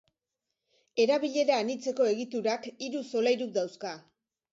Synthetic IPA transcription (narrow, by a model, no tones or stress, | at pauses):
e̞ɾaβ̞iʎe̞ɾaːnit͡se̞ko̞e̞ɣit̪uɾakiɾuso̞lajɾukd̪awska